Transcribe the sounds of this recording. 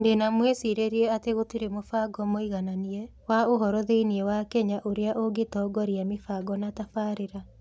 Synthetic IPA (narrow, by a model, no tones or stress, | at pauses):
ndenamwesiɾeɾiɛateɣotiɾemofaɡɔmoiɣananiɛ | waoɦɔɾɔðeiniɛwakɛɲaʔoɾeaʔoɡetɔːɡɔɾiamefaɡɔnatafaːɾeɾa